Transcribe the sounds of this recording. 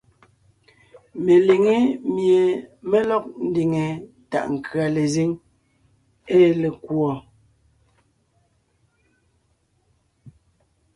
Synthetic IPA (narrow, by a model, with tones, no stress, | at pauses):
me˨li˨ŋe˦mje˨me˦lɔ˦k̚n̩˦di˨ŋe˨ | ta̰˨ʔŋ̩˨kʰɰa˨le˨zi˦ŋ | e˦le˨kwɔ˨